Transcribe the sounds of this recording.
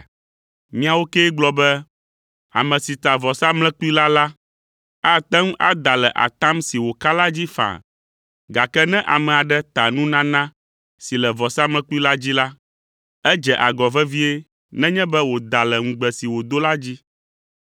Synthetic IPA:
mĩ˦a˨wo˦kɛ˦ɡ͡blɔ˦bɛ˦ | a̰˨mɛ̃˨si˨t̪a˨vɔ˨sa˦mlɛ̃˦ku˦i˦la˦la˦ | a˦t̪ɛ˦ŋũ˦ʔa˦d̪a˨lɛ˨ʔa̰˨t̪ã˦msi˨wo˨ka˦la˦d͡ʑi˦fã̰˨ | ɡa˨kɛ˦nɛ̃˦ʔa˨mɛ̃˨a˨ɖɛ˦t̪a˨nũ˦nã˦nã˦ | si˨lɛ˨vɔ˨sa˦mlɛ̃˦ku˦i˦la˦d͡ʑi˦la˦ | ɛ˦d͡ʒɛ˨ʔa˨ɡɔ˨vɛ˦vi˦e˦ | nɛ̃˦ɲɛ̃˦bɛ˦wo˨d̪a˨lɛ˨ŋ̩̃˨ɡ͡bɛ˨si˨wo˨d̪o˦la˦d͡ʑi˦

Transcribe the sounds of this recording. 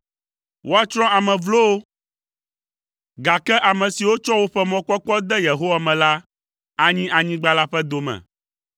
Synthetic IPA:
wʔo˦a˦t͡ʃɾ̃ɔ̃˦a˨mɛ̃˨vlo˦o˦ | ɡa˨kɛ˦ʔa˨mɛ̃˨si˨wo˦t͡ʃɔ˦wo˦ɸɛ˦mɔ̃˨k͡pɔ˦k͡pɔ˦d̪ɛ˦je˨ɦo˦wa˨mɛ̃˨la˦ | a˦ɲĩ˦ʔa˨ɲĩ˦ɡ͡ba˦la˦ɸɛ˦d̪o˨mɛ̰̃˨

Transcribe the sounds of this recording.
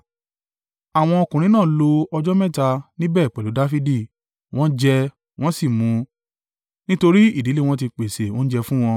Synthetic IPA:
a˨w̃ɔ̃˧ɔ˧kũ˨ɾ̃ĩ˨˦nãː˦˨˦lo˧ɔ˧d͡ʒɔ˦mɛ̃˦˨ta˧nĩ˦bɛː˦˨k͡pɛ˨lu˨˦da˦fi˦di˦˨ | w̃ɔ̃˦d͡ʒɛ˧ | w̃ɔ̃˦si˦˨mũ˨˧˦ | nĩ˦to˧ɾi˦i˦˨di˨˦le˦w̃ɔ̃˦ti˧k͡pe˨se˨wõ˦n̩˦d͡ʒɛ˧fũ˦w̃ɔ̃˧

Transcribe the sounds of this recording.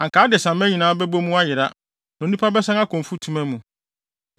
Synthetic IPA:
ã˨ŋkaː˨˦dɪ˨sã˨mɛ˦ɲĩ˨nãː˦bɛ˦bo˦mũ˦a˦jɪ˨ɾa˦ | nã˨nũ˦pʰa˦bɛ˦sã˦ŋa˦kʰɔ̃˨m˨fu˦tʰũ˦mæ̃˦mũ˨

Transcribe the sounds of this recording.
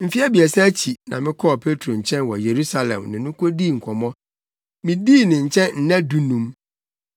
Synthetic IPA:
m̩˨fi˦a˦bi˨ɛ˨sɛ˦t͡ɕʰi˨nã̰˨mɪ̃˦kʰɔ˦˨pʰe˦tʰɾo˨ɲ̩˨t͡ɕʰɛ̃˦nwɔ˨je˨ɾu˦sa˨lɛ̰̃˨mnɪ̃˨nʊ̃˦kʰo˦diː˦˨ŋ̩˨kʰɔ˨mɔ̃˦ | mɪ̃˨diː˦˨nɪ̃˨ɲ̩˨t͡ɕʰɛ̃˦nn̩˨nɛ̃˦du˦nũ˦m

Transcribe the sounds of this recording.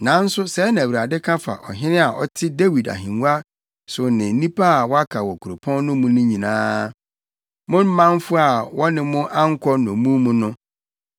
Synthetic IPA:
nã˨˦n̩˦sʊ˦sɛ˨˦nã˨wi˨ɾa˨dɪ˦kʰã˦fa̰˨ʔɔ̰˨ɦɪ̃˦nɪ̃˦a˨ʔɔ̰˦tʰɪ˦de˦wi˨da̰˨ɦĩ˨nu˦a˦ | sʊ˨nɪ̃˨n˦nĩ˦pʰa˦a˨wɔ˦a˦kʰa˨wɔ˨kʰu˨ɾo˨pʰɔ̃˦nː˦ʊ̃˦mũ˦nĩ˦ɲĩ˨nãː˦ | mʊ̃˦n̩˦mã˦nfʊ˦a˨wɔ˦nɪ̃˦mʊ̃˦ʔã˦ŋ˦kʰɔ˦nɔ̃˨mũ˦mũ˦nʊ̃˦

